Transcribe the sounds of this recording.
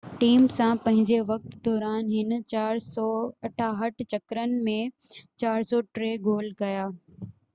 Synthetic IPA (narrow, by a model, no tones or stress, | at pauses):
ʈiːmsãpɐ̃ɦɪ̃ɲd͡ʑeʋɐk̚t̪d̪ɔːɾaːnɦɪnt͡ɕaːɾsɔːɐʈʰaːɦəʈʰt͡ɕɐkɾənɪ̆mẽ | t͡ɕaːɾsɔːʈɾeːɡoːlkɐjaː